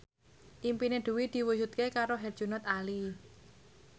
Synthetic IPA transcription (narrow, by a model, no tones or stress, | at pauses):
ʔimpineɖ̪̥ṳwid̪̥i̤wud͡ʒut̪̚kekaɾoɦɛr̥ʒ̥ṳnɔt̪ali